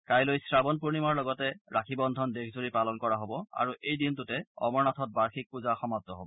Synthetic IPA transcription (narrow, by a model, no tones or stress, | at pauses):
kajlojsɹabɔnpuɹnimaɹlɔɡɔtɛɹakʰibɔndʱɔndekʰzuɹipalɔnkɔɹaɦobɔa̰ɹuʔejdintʊtɛɔ̰mɔɹnatʰɔt̚baɹxʰik̚puzaxɔmatɔɦo̰bɔ